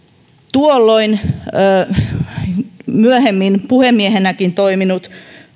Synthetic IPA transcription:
t̪uolːoinː | myøhemːinpuhemːiehenækint̪oiminut̪

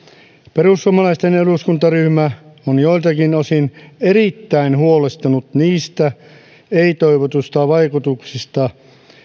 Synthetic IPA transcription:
perusːuomɑlɑist̪eneluskunt̪ɑryhmæonjoilt̪ɑkinosineɾit̪ːæinhuolest̪ɑnut̪niːst̪æ | eit̪oiʋot̪ust̪ɑʋɑikut̪uksist̪ɑ

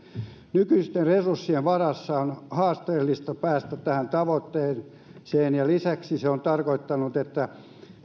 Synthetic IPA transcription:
nykyist̪erresursːieʋʋɑrɑsːɑonhɑːst̪eːlːist̪ɑpæːst̪æt̪æhænt̪ɑʋot̪ːeːn | seːnjɑlisæksiseont̪ɑrkoit̪ːɑnut̪et̪ːæ

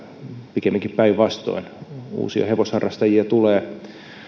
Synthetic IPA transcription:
pikemːiŋkippæiʋʋɑst̪o̰inṵːsiɑ̰heʋoshɑrːɑst̪ɑjiɑt̪uleː

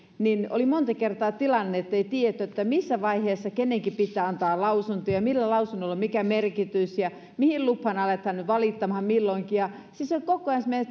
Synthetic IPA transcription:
nino̰limont̪ɑkert̪ɑːt̪ilɑnːeet̪ːeit̪iet̪ːˑæot̪ːæmisːæʋɑiheːsːɑkenːeŋkipit̪ːæːɑnt̪ɑːlɑusunt̪ojɑmilːælɑusunːolːɑmmikæmerkit̪ysjɑ | mihilluphɑnɑlet̪hɑnːyʋɑlit̪ːɑmhɑmmilːoiŋkijɑsisokokːˑoɑnsme

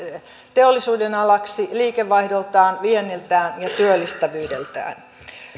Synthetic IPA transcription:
t̪eolːisuːdenɑlɑksiliːkeʋːɑihdolt̪ɑːnʋienːilt̪æːnjɑt̪yølːist̪æʋyːdelt̪æ̰ːn

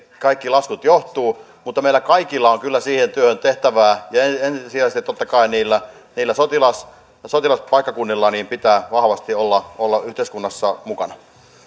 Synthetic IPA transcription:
kɑikːilɑskut̪joht̪uː | mut̪ːɑmeilækɑikilːɑoŋkylːæsiːhent̪yøhønt̪eht̪æʋæːjɑeenssiæˑst̪it̪ːot̪ːɑkɑiniːlːæ | niːlːæsot̪ilɑs | sot̪ilɑspɑikːɑkunːilːɑniːmpit̪æːʋɑhʋɑst̪iolːɑolːɑʔyht̪eˑiskunːɑsːɑmukɑnɑ

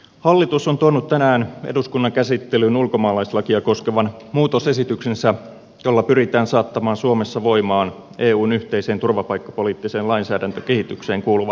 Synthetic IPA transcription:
hɑlːit̪usont̪uonːut̪tænæːnḛduskunːɑŋkæsit̪ːelynulko̞mɑːlɑislɑkiɑko̞skeʋɑnmuːt̪ose̞sit̪yksensæ | jo̞lːɑpyrit̪æːnsɑːt̪ːɑmɑːnsuome̞sːɑʋo̞imɑːn | e̞ːuːnyht̪eise̞ːnt̪urʋɑpɑjkːɑ̥po̞liːt̪ːiseːnlɑinsæːdænt̪øke̞hit̪ykse̞ːŋkuːluʋɑ

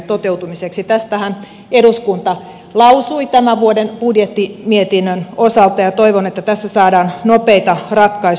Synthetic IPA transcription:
t̪ot̪eut̪umiseksit̪æst̪æhæn | eduskunt̪ɑ | lɑusuit̪æmæʋuodenpudjet̪ːimiet̪inːønosɑlt̪ɑjɑt̪oiʋonet̪ːæt̪æsːæsɑːdɑːnnopeit̪ɑrɑt̪kɑi

